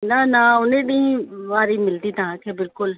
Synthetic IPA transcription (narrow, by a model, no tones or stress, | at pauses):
nanaʊnẽɗĩĩʋaːɾimɪlt̪iːt̪ɐɦãkʰebɪlkʊl